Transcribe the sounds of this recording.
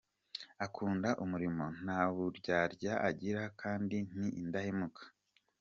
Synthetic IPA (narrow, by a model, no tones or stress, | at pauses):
akʰuːndaʔumuɾimo̞n̥aːβuɾɟaːɾɟaʔaɟiɾakʰaːndin̥iːndahemukḁ